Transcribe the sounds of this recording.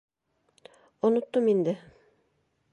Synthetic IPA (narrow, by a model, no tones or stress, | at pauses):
ŏnŏt̪ːomind̪ɘ